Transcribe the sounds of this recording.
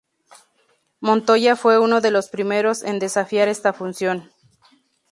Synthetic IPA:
mõ̞nt̪o̞ʝafwe̞uno̞ðe̞lo̞spɾime̞ɾo̞send̪e̞safjaɾe̞st̪afunsjo̞n

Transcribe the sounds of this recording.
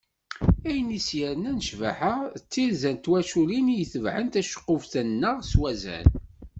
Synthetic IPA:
æjənisjəɾnænəʃvæ̰ħəʁt͡sːiɾzænt̪wæʃulinijəθəvʕənt̪æʃə̥qːʊfθənːəʁswæzæ̰n

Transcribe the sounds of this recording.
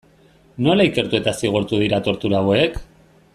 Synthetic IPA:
no̞laike̞ɾt̪ue̞t̪asiɣ̞uɾt̪uð̞iɾat̪o̞ɾt̪uɾaek

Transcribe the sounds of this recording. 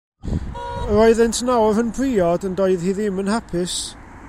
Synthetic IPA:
əɾoɨðɛntʰnawrənbriɔdəndoːɨðhiːðɪmənhapʰɪs

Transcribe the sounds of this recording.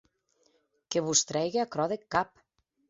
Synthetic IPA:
keβust̪ɾɛjɣeakɾɔðekːap

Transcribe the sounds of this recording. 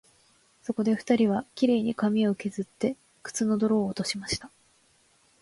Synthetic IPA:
so̞ko̞d̪e̞ɸɯ̟̥t̪aɾʲiβakʲiɾe̞ːɲ̟ikamʲio̞ke̞zɨt̪ːe̞ | kɯ̥t͡sɨno̞d̪o̞ɾo̞ːt̪o̞ɕimaɕi̥t̪a

